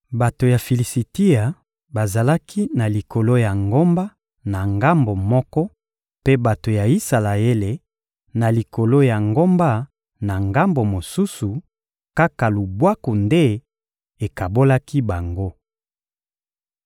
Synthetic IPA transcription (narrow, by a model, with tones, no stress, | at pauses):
ba˨to˨ja˨fi˨li˨si˨ti˦a˨ | ba˨za˨la˦kʰi˦na˨li˨ko˨lo˦ja˨ŋɡo˦mba˦ | na˨ŋɡa˦mbo˨mɔ˦kɔ˦ | pe˦ba˨to˨ja˨i˦sa˨la˨e˦le˨ | na˨li˨ko˨lo˦ja˨ŋɡo˦mba˦ | na˨ŋɡa˦mbo˨mo˨su˦su˨ | ka˦ka˨lu˨bwa˦ko˨nde˦ | e˨ka˨bo˦la˦ki˦ba˨ŋɡo˦